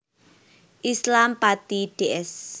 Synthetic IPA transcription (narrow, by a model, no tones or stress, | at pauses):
ʔislampat̪iɖ̥eʔɛs